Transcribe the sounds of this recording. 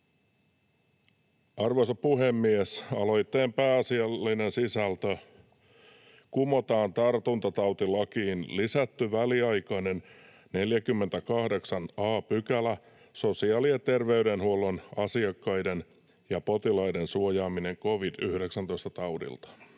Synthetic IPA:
ɑrʋosɑppuɦemːiesɑlo̞jt̪ːeːmpæːɑsiɑlːinensisælt̪ø | kumo̞t̪ɑːnt̪ɑrt̪unt̪ɑt̪ɑwt̪ilɑkiːnlisæt̪ːyʋæliɑjkɑnen | ne̞ljækymːent̪ækɑhde̞ksɑnɑːpykælæ | so̞siɑːliet̪e̞rʋe̞yɾenhuolːonɑsiɑkːɑjden | jɑpo̞t̪ilɑidensuojɑːmine̞ŋkoʋidyhde̞ksænt̪oist̪ɑt̪ɑwdḭlt̪ɑ̥

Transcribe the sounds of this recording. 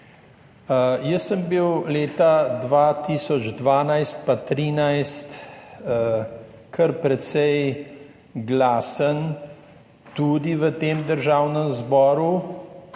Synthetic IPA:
jəsːəmbiwleːt̪ad̪ʋat̪iːsɔd͡ʒd̪ʋaːnajst̪̚pat̪ɾiːnajst̪ | kʰəɾpɾɛt̪sɛj | ɡlaːsən | t̪ud̪iʋət̪eːmd̪əɾʒaːwnəmzbɔːɾu

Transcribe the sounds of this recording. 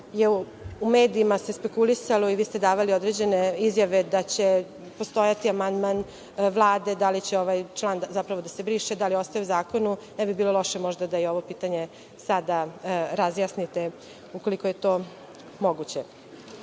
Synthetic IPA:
jeu | ume̞ːd̪iːmase̞spe̞kulisalˠo̞iʋiːst̪ed̪aːʋalio̞d̪ɾe̞d͡ʑe̞ne̞izjaʋe̞d̪at͡ɕe | po̞st̪o̞jat̪iamand̪man | ʋlˠaːd̪e̞d̪alit͡ɕeo̞ʋajt͡ʃlˠaːnd̪zapɾaʋo̞d̪ase̞bɾiːʃed̪alijo̞st̪ajeuzaːko̞nunɛbibiːlo̞lo̞ʃe̞mo̞ʒd̪ad̪ajeo̞ʋo̞piːt̪aɲe̞ | sad̪aɾazjaːsnit̪e | uko̞likoje̞t̪o̞ː | mo̞ɡut͡ɕe

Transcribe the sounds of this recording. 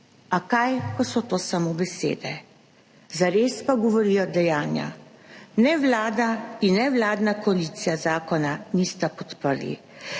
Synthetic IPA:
akajkɔsɔt̪oːsamobɛsḛːd̪ɛ | zaɾeːspaɡɔʋɔɾijɔd̪ɛjaːnja̰nɛʋlaːd̪ainːɛwlaːd̪nakɔalit̪sijazaːkɔnanist̪apɔt̪pəɾlḭ

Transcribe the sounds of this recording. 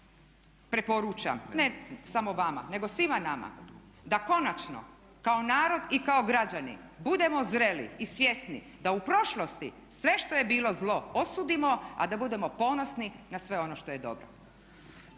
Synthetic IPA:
pɾepoɾuːt͡ʃa̰mnesamoʋama̰ne̞ɡo̞sʋimanama̰ | d̪ako̞nat͡ʃno̰ | kaonaːɾo̞d̪ikao̞ɡɾad͡ʑanḭbud̪e̞mo̞zɾe̞lḭːsʋje̞snḭ | d̪aupɾo̞ʃlˠost̪i | sʋe̞ʃt̪o̞jebiːlˠo̞zlˠo̞osuːd̪imo̞a̰d̪abud̪e̞mo̞po̞no̞sninasʋe̞o̞no̞ʃt̪o̞je̞d̪o̞̰bɾo̰

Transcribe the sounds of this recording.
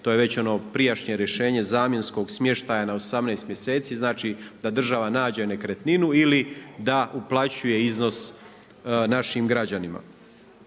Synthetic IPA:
t̪oːjeʋe̞t͡ɕo̞no̞pɾijaʃɲe̞ɾje̞ʃe̞ːɲe̞zaːmjensko̞ɡsmje̞ʃt̪ajanaosamnejst̪mje̞se̞ːt̪siːznaːt͡ʃid̪̥ad̪r̩ʒaʋanaːd͡ʑene̞kɾet̪ninuilid̪aʔuplˠat͡ɕuje̞izno̞s | naʃimɡɾad͡ʑanima̰

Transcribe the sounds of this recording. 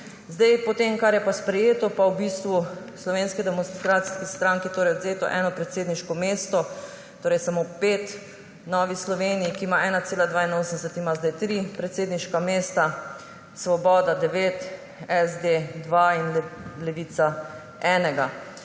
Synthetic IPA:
zd̪ajpɔt̪emkaɾjɛpaspɾɛjeːt̪ɔpawbist̪ʋu | slɔʋenskid̪ɛmɔnst̪ɾat̪si̥skist̪ɾaŋkit̪oːɾɛjɔd̪zeːt̪ɔ̰ʔɛ̰ːnɔpɾɛt̪seːd̪niʃkɔmeːst̪ɔ | t̪oːɾɛjsamopeːt̪ | nɔʋislɔʋeːnijikimaʔɛːnat̪seːlad̪ʋaːinoːsnd̪ɛsɛt̪imazd̪ajt̪ɾipɾɛt̪seːd̪niʃkameːst̪a | sʋɔbɔːd̪ad̪ɛʋet̪ | ɛzd̪ed̪ʋainlɛʋit̪sa | ɛːnɛɡa

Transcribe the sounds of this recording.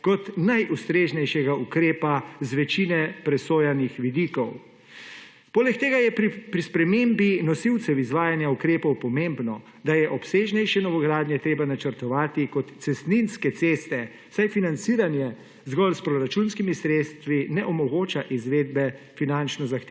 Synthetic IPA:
kɔt̪najʔust̪ɾeːʒnɛjʃɛɡaukɾeːpazʋɛt͡ʃinɛpɾɛsoːjanixʋid̪iːkɔw | poːlɛkt̪eːɡajɛpɾipɾispɾɛmembinɔsiwt̪sɛwizʋaːjanjaukɾeːpɔwpɔmembnɔ | d̪ajɛʔɔpseːʒnɛjʃɛnɔʋɔɡɾaːd̪njɛt̪ɾeːbanat͡ʃəɾt̪ɔʋaːt̪ikɔt̪sɛst̪ninskɛt̪sest̪ɛ | sajfinant̪siːɾanjɛ | zɡɔlspɾɔɾat͡ʃunskimisɾeːt̪st̪ʋinɛʔɔmɔɡoːt͡ʃaʔizʋeːd̪̚bɛ | finant͡ʃnɔzaxt̪e

